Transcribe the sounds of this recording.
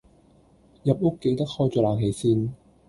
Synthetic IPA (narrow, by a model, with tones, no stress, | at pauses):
jɐ˨p̚ʊ˥kːe˧jt̪ɐ˥k̚hɔː˥jt͡ʃɔː˨˧laː˨˩ŋɦe˨˧jsiː˧n